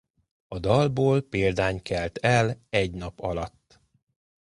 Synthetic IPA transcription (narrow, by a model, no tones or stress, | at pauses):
ɒd̪ɒlboːlpeːld̪aːɲkɛlt̪ɛlɛɟnɒpɒlɒt̪ː